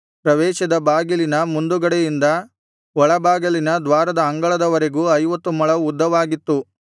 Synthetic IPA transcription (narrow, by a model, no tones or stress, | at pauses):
pɾɐʋɛːʃɐd̪ɐbaːɡɐlinɐmund̪uɡɐɽejind̪ɐ | ʋɔɭɐbaːɡɐlinɐd̪ʋaːɾɐd̪ɐːŋɡɐɭɐd̪ɐʋɐɾe̞ɡuːɐjʋɐt̪ːumɐɭɐud̪ːɐʋaːɡit̪ːu